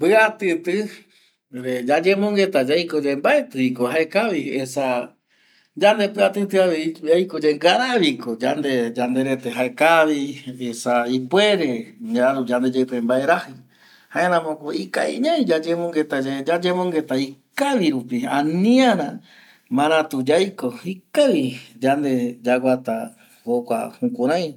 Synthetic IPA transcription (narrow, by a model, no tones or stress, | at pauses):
pɨat̪ɨt̪ɨ | ɾed͡ʒad͡ʒẽmõŋɡe̞t̪ad͡ʒajkod͡ʒembaet̪ɨikohaekaβiesa | d͡ʒand̪epɨat̪ɨt̪ɨaβeiajkod͡ʒeŋɡaɾaβikod͡ʒand̪e̞d͡ʒand̪e̞ɾet̪eɦaekaβiesaipwe̞ɾe̞ɲaaɾud͡ʒand̪ed͡ʒapẽmbaeɾahi | hãẽɾãmõkoika̰ḭɲãj̃d͡ʒad͡ʒẽmõŋɡet̪ad͡ʒad͡ʒẽmõŋɡet̪aikaʋiɾupiãnĩaɾã | mãɾ̃ãt̪ud͡ʒajkoikaʋid͡ʒand̪e̞d͡ʒaɡʷat̪a̰ | hokʷa̰hukʷaɾ̃ãj̃